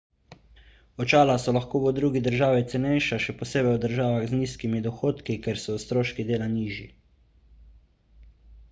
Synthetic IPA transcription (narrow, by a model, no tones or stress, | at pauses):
ɔt͡ʃaːlasɔlaxkoːʋɔd̪ɾuːɡid̪əɾʒaːʋit̪sɛnɛjʃaʃɛpɔseːbɛjud̪əɾʒaːʋaɣzniːskimid̪ɔxoːt̪kikɛɾsɔwst̪ɾoːʃkid̪eːlaniːʒi